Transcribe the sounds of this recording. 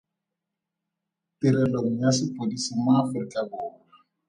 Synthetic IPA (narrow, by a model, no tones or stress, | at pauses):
tɪɾɛloŋ̩jasɪpʼodisimaːfrikʼabʊːra